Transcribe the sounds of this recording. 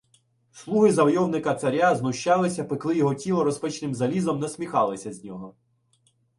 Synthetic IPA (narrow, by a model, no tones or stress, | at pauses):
slˠuɦɪzɐwjɔwnɪkɐt̪sɐɾʲaznʊʃt͡ʃɑlˠɪsʲɐpɪklˠɪjɔɦɔtʲilˠɐɾɔspɪt͡ʃnɪmzɐlʲizɔmnɛsʲmʲixɑlˠɪsʲɐzʲnʲɔɦɔ